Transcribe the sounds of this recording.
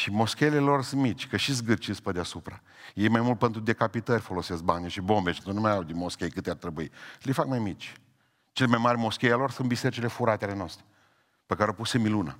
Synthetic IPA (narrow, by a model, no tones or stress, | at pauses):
ʃimo̞skʲejlelo̞rsɨnmit͡ʃʲkəʃizɡɨrt͡ʃispəd̪easupɾa | jejmajmult̪̚pent̪ɾud̪e̞kapit̪ərʲfo̞lo̞sesk̚banʲiʃibo̞mbeʃit̪unumajawd̪inmo̞skʲejkɨt̪eart̪ɾebuilefakmajmit͡ʃʲ | t͡ʃelemajmarʲmo̞skʲejalo̞rsunbise̞ɾit͡ʃele̞fuɾat̪eale̞noast̪ɾe | pekaɾeopusemilunə̰